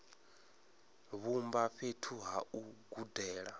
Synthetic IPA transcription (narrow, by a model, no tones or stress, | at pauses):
βumbaɸetʰuɦauɡudɛːɺa